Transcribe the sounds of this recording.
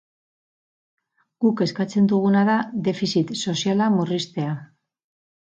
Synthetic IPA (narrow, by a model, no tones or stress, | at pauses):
ɡ̥uke̞skat͡se̞nd̪uɣ̞unaðaðe̞fisit̪so̞sialamurist̪e̞a